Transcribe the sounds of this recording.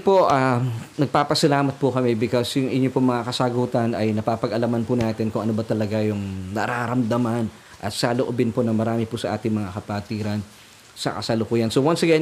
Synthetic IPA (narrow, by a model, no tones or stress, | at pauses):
poʔaːnɐɡ̚paːpɐsɐlaːmɐt̪̚pʊkɐmɛbɪkosjʊŋʔɪɲopoŋmɐŋakɐsɐɡuːt̪ɐnɐjnɐpapɐɡʔɐlɐmanpʊnaːt̪ɪnkʊŋʔɐnobɐt̪ɐlɐɡajʊŋnɐɾaːɾɐmd̪ɐman | ʔɐt̪saloʔobɪnponɐmɐɾaːmɪpʊsɐʔa̰ːt̪ɪŋmɐŋakɐpaːt̪iːɾɐn | sɐ̰kɐsɐlokuːjɐnsowansɐɡa